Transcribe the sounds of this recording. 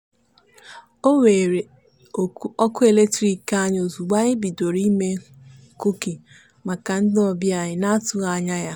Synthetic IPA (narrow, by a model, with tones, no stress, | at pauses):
o˦we˨ɾe˨˦ | ɔ˦kʊ˦e˨le˦k̚tɾi˨ka˦ɲ˦o˨zu˨ɡ͡ba˦ɲɪ˦bi˨do˨ɾi˦me˦ | ku˦ki˨ | ma˨ka˨n̩˦dɪ˦ɔ˨bja˨ɲɪ˨na˦tʊ˦ɣa˨ɲa˦ja˦